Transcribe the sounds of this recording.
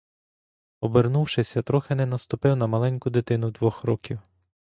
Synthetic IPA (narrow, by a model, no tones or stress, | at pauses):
ɔbernuwʃɪsʲɐt̪ɾɔxenɛnɐst̪ʊpɪwnɐmɐlˠɛnʲkʊd̪ɪt̪ɪnʊd̪ʋɔxɾɔkʲiw